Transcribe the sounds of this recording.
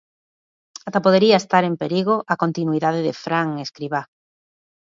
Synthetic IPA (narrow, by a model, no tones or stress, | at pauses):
at̪apoð̞eɾiaest̪aɾempeɾiɣoʔakont̪inuiðaðeðɪ̰fɾaŋeskɾiβa